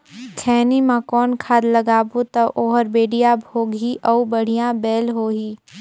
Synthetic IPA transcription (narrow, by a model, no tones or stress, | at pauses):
kʰɛːnimãkɔːnkʰaːd̪lɐɡaːbut̪ɐʔoːɦəɾbeːɖijabʱoːɡʱiʔɔːbəɽ̤ijãbɛːlɦoːɦiː